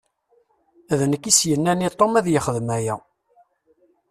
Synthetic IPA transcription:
æðnəkːisjənːænit̪ˤːomæðjəχəðəmæjæ

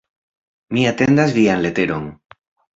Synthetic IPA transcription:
miat̪e̞ndazvianle̞t̪e̞ɾo̞n

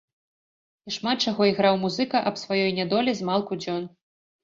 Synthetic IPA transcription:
iʂmat̪̚t͡ʂaɣɔiɣɾawmuzɨkɐʔɐpsvajɔjnʲɛd̪ɔlʲizmalˠkud͡zʲɔn

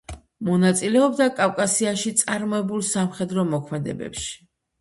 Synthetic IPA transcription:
mɔnat̪sʼilɛɔbd̪akʼafkʼasiaʃit̪sʼaɾmɔɛbulˠsamχɛd̪ɾɔmɔkʰmɛd̪ɛ̰bɛ̰pʃi̥

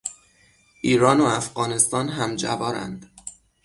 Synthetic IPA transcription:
ʔiːɾɒːnoæfɢɒːne̞st̪ɒːnɦæmd͡ʒæ̰bɒːɾæ̰nd̪̥

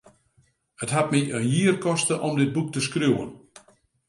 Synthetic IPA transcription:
ətɦat̚miʔənjiərkɔstəʔɔmdɪd̚buk̚təskrjuwə̰n

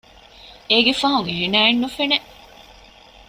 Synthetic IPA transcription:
eɡefɐɦuŋeɦenæːenːufeneʔ

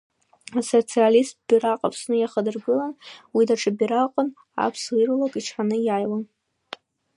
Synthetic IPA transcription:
asot͡sʰialist̚b̥iraqʼapʰsnɨjaχədɨrɡɨlanwidaʈ͡ʂʰʼɨbiɾaqʼʊn | a̰pʰsirulakʼiʈ͡ʂʰħanɨjajwan

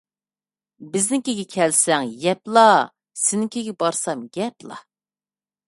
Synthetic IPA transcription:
bɪznɪŋkʲeɡʲɛkʲʰɛlsɛŋjɛplˠɑ | sɪnɪŋkʲʰeɡʲɛbɑɾsɑmɡʲɛplˠɑ̰

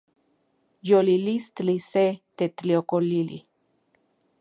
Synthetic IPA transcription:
jolilist̪liset̪et̪liokolilḭ

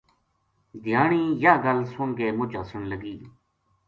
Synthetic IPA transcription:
d̪ʱɪjaːɳiːjaːɡəlsʊɳɡeːmʊt͡ʃəsəɳləɡiː

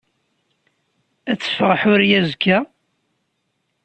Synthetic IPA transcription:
æt͡sːə̥fʁəħʊɾjæzkːæ

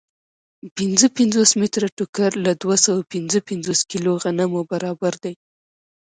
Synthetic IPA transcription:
pɪnzəpɪnzosmɪt̪ɾaʈʊkaɾlad̪wasawapɪnzəpɪnzoskiloɣanamobaɾɑbaɾd̪aj

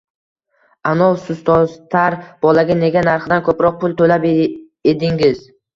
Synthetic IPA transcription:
anɒlˠsʊst̪ʰɒzt̪ʰaɾb̥ɒlaɡʲane̞ɡʲanaɾχɨd̪ankʰɵpɾɒq̚pʰʊlˠt̪ʰolap | ed̪ɪŋɪz̥

